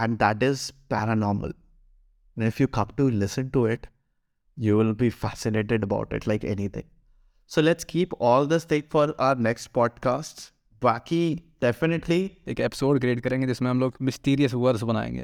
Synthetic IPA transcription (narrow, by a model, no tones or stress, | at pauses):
ɛ̃ɳɖd̪æʈɪzpæɾənɔːɾmə̰l | nɪfjuːkʰʌkʈulɪsə̃nʈuɪʈ | juːʋɪlbifæsɪneːʈɪɖəba̰ʊʈɪ̰ʈlaɪkɛ̰nit̪ʰɪ̰̃ŋ | soːlɛʈskʰiːpɔːld̪əst̪ẽkfɔɾaʊəɾnɛksʈ̚pɔːɖ̚kaːsʈs | bakiɖ̥ɛfɪnɪʈʰlieːkɛpɪ̥soːɾɖkɾeːʈkɐɾẽːŋɡed͡ʒɪsmẽɦɐmloːɡmɪsʈiːɾiəsʋəɾzbɐna̰ːḛ̃ːŋɡḛː